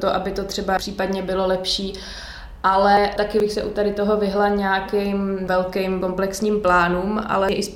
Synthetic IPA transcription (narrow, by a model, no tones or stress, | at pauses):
t̪oʔabɪt̪o̞t̪r̝̥ɛbapr̥iːpadɲɛbɪlo̞lɛpʃiː | ʔalɛt̪akɪbɪxsɛʔut̪adɪt̪o̞ɦo̞vɪɦlaɲaːkɪjmvɛlkɛjmko̞mplɛksɲiːmplaːnuːmʔa̰lɛʔɪs